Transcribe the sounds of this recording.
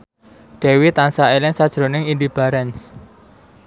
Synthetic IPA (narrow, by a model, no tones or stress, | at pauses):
ɖ̥e̤wit̪ansaelɪŋsad̥ʒ̥ɾo̤nɪŋind̪ib̥a̤ɾɛns